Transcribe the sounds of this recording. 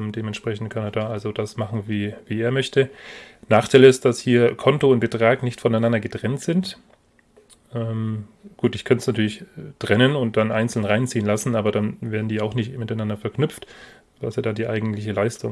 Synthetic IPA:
mdeːmɛntʃpʁ̥ɛçn̩t̚kʰaneːɐdaːʔalzodasmaχn̩viːviːeːɐmœçtənaːχtʰaɪləɪst̚d̥ashiːɐkʰɔntoʊnt̚b̥ətʁ̥aːknɪçtfɔnaɪnandɐɡətʁ̥ɛntz̥ɪnt | ʔɛːmɡ̥uːtɪçkʰansnatʰyːɐlɪçtʁ̥ɛnənʊnt̚d̥anʔaɪnt͡sl̩nʁaɪnt͡siːənlasn̩aːbɐdanveːɐdn̩diːaʊxnɪçtmɪtaɪnandɐfɛɐknʏpp͡ft | v̥aseːɐdaːdiːʔaɪɡŋ̩tlɪçəlaɪstʊ̰

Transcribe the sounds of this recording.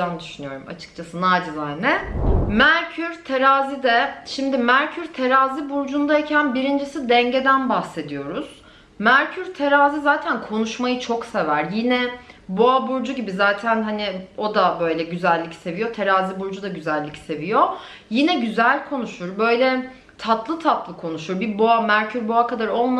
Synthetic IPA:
and̪yʃynyjo̞ɾuma̰t͡ʃʰɯ̥k̚t͡ʃʰasɯnaːd͡ʒɯzanɛmæɾcʰyɾt̪ʰeɾaːzid̪ɛʃimd̪imæɾcʰyɾt̪ʰe̞ɾaːzibuɾd͡ʒund̪aecʰænbiɾind͡ʒisid̪ɛɲɟe̞d̪ænbahse̞d̪ijo̞ɾuz̥ | mæɾcʰyɾt̪ʰe̞ɾaːzizaːt̪ʰænkʰo̞nuʃmajɯt͡ʃʰo̞kse̞væɾjinɛboabuɾd͡ʒuɟibizaːt̪ʰænɦanɪo̞d̪abø̞jlʲɛɟyzælʲːicse̞vijo̞t̪ʰe̞ɾaːzibuɾd͡ʒud̪aɟyzælʲːicse̞vijo̞ | jinɛɟyzælʲkʰo̞nuʃuɾbø̞jlʲɛ | t̪ʰat̪lˠɯt̪ʰat̪lˠɯkʰo̞nuʃuɾbiboamæɾcʰyɾboakad̪aɾo̞lˠma

